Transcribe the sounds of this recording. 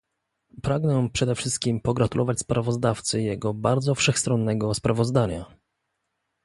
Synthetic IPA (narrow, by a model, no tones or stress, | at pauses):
pɾaɡnɛpʂɛd̪ɛfʂɘst̪̚kʲimpɔɡɾat̪ulʔɔvat͡ɕʲspɾʔavɔzd̪aft̪sɘjɛɡɔbaɾd̪zɔfʂɛxst̪ɾɔnːɛɡɔspɾavɔzd̪aɲa